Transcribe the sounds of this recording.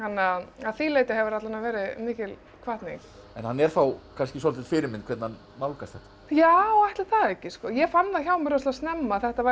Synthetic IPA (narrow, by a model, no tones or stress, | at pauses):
hanːaaðθiːlejt̪ɪɦɛvʏɾat̪lanavɛːɾɪmɪːcɪl | kʰvaht̪niŋk | ɛnhanːɛɾ̥θawkʰanscɪsɔlt̪ɪt̪fɪːɾɪɾmɪnkʰvɛt̪na | mawlkast̪θɛht̪ḁ | jawajht̪laθaðɛhcːɪskɔjɛfanːðaçawmɪɾɔst̪ast̪nɛmːaːθɛht̪ava